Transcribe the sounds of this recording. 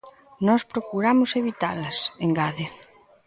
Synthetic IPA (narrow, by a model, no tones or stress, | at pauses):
nɔspɾokuɾamʊseβit̪alɐseŋɡaðɪ